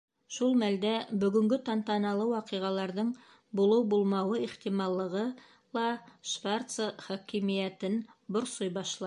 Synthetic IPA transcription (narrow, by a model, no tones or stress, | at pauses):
ʃulˠmæld̪æbɵ̆ɡɵ̆ŋɡɘt̪ɑnt̪ɑnɑlˠɤwɑqɤ̆jʁɑlˠɑɾðɤɴ | bulˠɤwbulˠmɑwɤiχt̪imɑlˠːɤ̆ʁɤ | lˠɑʃvart̪səχɑkimijæt̪ɘnboɾsojbɑʃlˠɑ